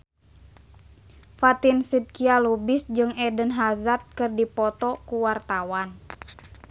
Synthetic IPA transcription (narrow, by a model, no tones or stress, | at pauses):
fat̪insid̪̚kialubisd͡ʒɨŋɛdənɦazat̪̚kɨrdipɔt̪ɔkuwart̪awan